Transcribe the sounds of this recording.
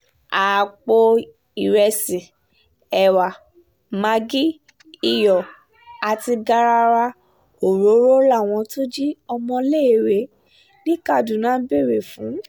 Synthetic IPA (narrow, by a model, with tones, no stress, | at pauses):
a˨k͡po˧ | i˨ɾɛ˧sĩ˨ | ɛ˨wa˨ | ma˧ɡi˦ | i˦˨jɔ˨ | a˨ti˧ɡa˦ɾa˧ɾa˧ | o˨ɾo˨˦ɾo˦la˦˨w̃ɔ̃˧to˦d͡ʒi˦ɔ˧mɔ̃˧le˦˨ɾe˨˦ | nĩ˦ka˦˨du˨nãː˨˦be˦˨ɾe˨fũ˨˦